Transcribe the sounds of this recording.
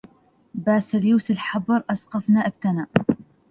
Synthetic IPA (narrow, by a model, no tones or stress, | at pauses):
baːsaljuːsɪlħɑbɨɾˤʔɑsqɑfnaʔɪb̚t̪anaːʔ